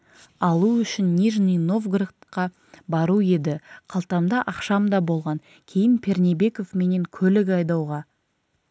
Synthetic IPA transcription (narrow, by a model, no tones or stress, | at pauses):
ɑlˠuʏʃɪnːʲiʒnino̞vɡrit̪qɑ | bɑɾue̞d̪ɪqʰɑlˠt̪ɑmd̪ɑʔɑqʃɑmd̪ɑbo̞lˠʁɑŋ | kʲʰe̞jɪnpʲʰe̞rnebe̞ko̞vme̞ne̞ŋkʲʰɵlɪkɑjd̪ɑwʁɑ